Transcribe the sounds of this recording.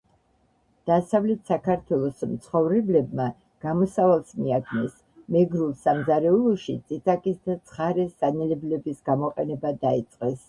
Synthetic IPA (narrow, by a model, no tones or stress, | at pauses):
d̪̥asavlɛt̪ʰsakʰaɾt̪ʰwɛlˠɔsmt̪sʰχɔvɾɛblɛbma | ɡ̥amɔsavalˠsmiad̪nɛs | mɛɡɾulˠsamzaɾɛulˠɔʃit̪sʼit̪ʼakʼisd̪at̪sʰχaɾɛszanɛlɛblɛbisɡamɔqʼɛnɛbad̪ait̪sʼqʼɛs